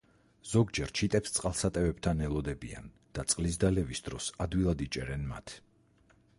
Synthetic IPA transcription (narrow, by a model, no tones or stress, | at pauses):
z̥ɔɡd͡ʒɛɾt͡ʃʰit̪ʼɛpst̪sʼqʼalˠsat̪ʼɛvɛbt̪ʰanɛlˠɔd̪ɛbia̰n | d̪̥at̪sʼqʼlisd̪alɛvisd̪ɾɔsad̪wilˠad̪it͡ʃʼɛɾɛnma̰t̪ʰ